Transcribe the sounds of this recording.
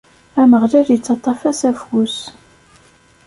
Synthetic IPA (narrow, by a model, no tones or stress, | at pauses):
æməʁlæljət͡sːɑt̪ˤːɑfæsæfus